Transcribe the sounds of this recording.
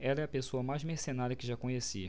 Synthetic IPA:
ɛlɐɛɐpesoɐmajzmesenaɾɐkɪʒakõɲesi

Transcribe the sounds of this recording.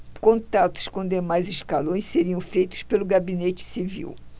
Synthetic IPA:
kõnt̪at̪ʊ̥skõd̪emajzɪʃkalõj̃sseɾiɐ̃w̃fejt̪ʊ̥spelʊɡabinet͡ʃɪ̥sivḭw

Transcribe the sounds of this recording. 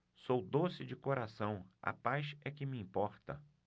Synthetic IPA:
sowd̪osɪd͡ʒɪkoɾasɐ̃w̃ɐ̰pajsɛkɪmiĩmpɔɾt̪ɐ

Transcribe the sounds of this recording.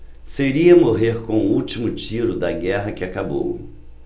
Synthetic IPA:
seɾiɐmoɦeɾkõw̃ʊuwt͡ʃimʊt͡ʃiɾʊd̪ɐɡɛɦɐkɪakabo̰w

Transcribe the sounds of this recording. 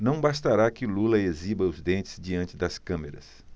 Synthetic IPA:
nɐ̃w̃bast̪aɾakɪlulɐezibɐʊzd̪ẽnt͡ʃɪ̥zd͡ʒiɐ̃nt͡ʃɪd̪ɐskɐ̃meɾɐ̰s

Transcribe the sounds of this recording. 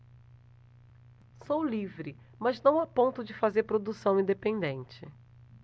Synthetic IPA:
sowlivɾɪ | mɐznɐ̃w̃apõnt̪ʊd͡ʒɪfazeɾpɾod̪usɐ̃w̃ĩnd̪epẽnd̪ẽnt͡ʃɪ

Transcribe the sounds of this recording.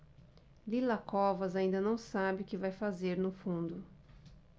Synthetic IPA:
lilakɔvɐzaĩnd̪ɐnɐ̃w̃sabɪʊkɪvajfazeɾnʊfũnd̪ʊ

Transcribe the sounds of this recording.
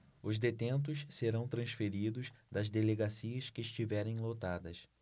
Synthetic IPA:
ʊzd̪et̪ẽnt̪ʊsseɾɐ̃w̃t̪ɾɐ̃sfeɾid̪ʊsd̪ɐzd̪eleɡasiɐskɪːʃt͡ʃivɛɾẽj̃lot̪ad̪ɐs

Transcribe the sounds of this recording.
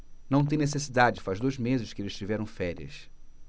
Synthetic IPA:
nɐ̃w̃t̪̬ẽj̃nesesid̪ad͡ʒɪd͡ʒɪfaʒd̪ojzmezɪʃkɪelɪzst͡ʃivɛɾɐ̃w̃fɛɾiɐ̰s

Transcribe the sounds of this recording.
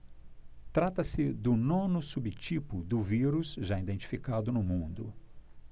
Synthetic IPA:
t̪ɾat̪ɐsɪd̪ʊnõnʊsubɪt͡ʃipʊd̪ʊviɾusʒaid̪ẽnt͡ʃi̥fikad̪ʊnʊmũnd̪ʊ

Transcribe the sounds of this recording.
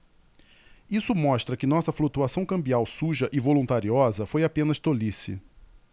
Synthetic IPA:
isʊmɔʃt̪ɾɐkɪnɔsɐflut̪uasɐ̃w̃kɐ̃mbiawsuʒɐʔɪvolũnt̪aɾiɔzɐfojapẽnɐʃt̪olisɪ̰

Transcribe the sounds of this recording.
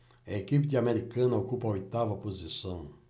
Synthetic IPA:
ɐekip̬id̪ɪameɾikɐ̃nɐokupɐojt̪avɐpozisɐ̃w̃

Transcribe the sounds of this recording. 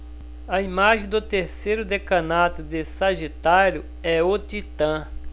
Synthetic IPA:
ɐimaʒẽd̪ʊt̪eɾsejɾʊd̪ekɐ̃nat̪ʊd̪esaʒit̪aɾjʊ | ɛot̪it̪ɐ̃

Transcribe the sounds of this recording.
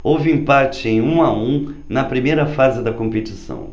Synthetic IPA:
owvɪĩmpat͡ʃɪẽj̃ũaũnɐpɾimejɾɐfazɪd̪ɐkõmpet͡ʃisɐ̰̃w̃

